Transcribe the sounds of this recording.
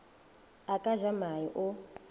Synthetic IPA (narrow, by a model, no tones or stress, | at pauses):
akʼaʒamajiʔʊ